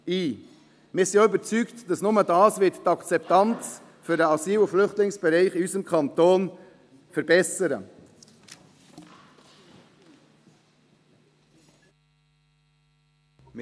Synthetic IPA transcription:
iː | mɪːsiːybət͡syːktd̥ɑsnʊmədɑːsvɪttɑkt͡sɛptɑnt͡s | fydəɑsiːlʊflʏχtlɪŋsb̥ɛɾaɪχɪyːsəmkʰɑntoːn | fɛɾbɛsəɾə̰

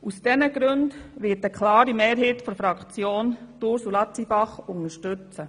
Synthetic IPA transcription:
usd̥ɛnəɡ̥ɾøndʋɪːtəkʰlɑːɾimeːɾɦeːtfɔɾfɾɑkt͡sjoːntʊɾsulɑt͡sibɑχʊŋəʃtøt͡sə

